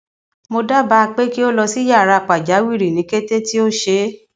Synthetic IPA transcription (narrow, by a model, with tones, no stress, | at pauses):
mo˧da˦ba˧k͡pe˦ki˦o˦lɔ˧si˦ja˦˨ɾa˧˨k͡pa˨d͡ʒa˨˦wi˦˨ɾi˨nĩ˨˦ke˦te˦ti˦o˦ʃe˧˦